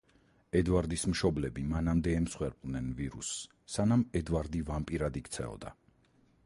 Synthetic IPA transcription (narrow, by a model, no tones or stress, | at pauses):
ɛd̪vaɾd̪ismʃɔblɛbimanamd̪ɛɛmsχwɛɾpʼlnɛnviɾṵsː | anamɛd̪vaɾd̪ivampʼiɾad̪ikt̪sʰɛ̰ɔ̰d̪a